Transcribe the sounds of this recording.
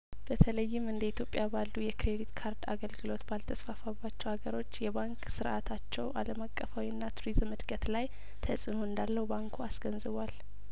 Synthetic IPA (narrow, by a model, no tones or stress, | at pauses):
b̥ət̪ʰələjːɪmɨnd̪əit̪ʰjo̞pʼːjabalːujɛkɾed̪it̪kʰaɾd̪a̰ɡəlɡɨlo̞t̪balt̪ʰəsfafabːat͡ʃːɛwhaɡəɾo̞t͡ʃːjɛβaŋksɨɾʔat̪ʰat͡ʃːɛwʔaləmakʼːəfawiɨnːat̪ʰuɾizmɨd̪ɡət̪laj | t̪ʰəsʼɨnoɨnd̪alːəwubaŋkʰuasɡ̥ənzɨβal